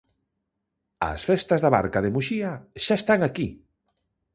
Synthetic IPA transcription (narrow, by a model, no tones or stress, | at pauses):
ɐ̰sfest̪azðaβa̰ɾkaðemuʃiaʃaest̪aŋaki